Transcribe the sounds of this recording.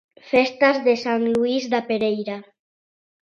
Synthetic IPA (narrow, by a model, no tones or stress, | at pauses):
fest̪azðesanluizd̪apeɾejɾa